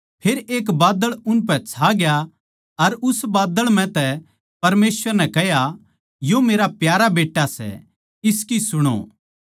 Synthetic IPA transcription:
pʰeːɾeːk̬baːd̪əɭʊnp̬ɛt͡sʰaɡja | ɐɾʊsbaːd̪əɭmɛ̃t̪ɛ | pɐɾmeːsʋəɾnɛkɛɦja | jomeːɾapjaːɾabeːʈːasɛ̰ | ɪskisʊɽ̃o̰ː

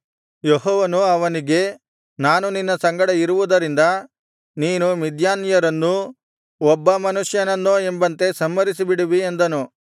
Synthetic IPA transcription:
jeɦɔːʋɐnuɐʋɐniɡe̞ | naːnuninːɐsɐŋɡɐɽɐiɾuʋud̪ɐɾind̪ɐ | niːnumid̪jaːnjɐɾɐnːu | ɔbːɐmɐnuʂjɐnɐnːoe̞mbɐnt̪e̞sɐmːɐɾisibiɽiʋiend̪ɐnu

